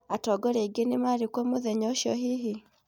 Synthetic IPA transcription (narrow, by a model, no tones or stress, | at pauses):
atɔɡɔɾeɡenimaɾikwomoðɛɲɔʃɔɦiɦi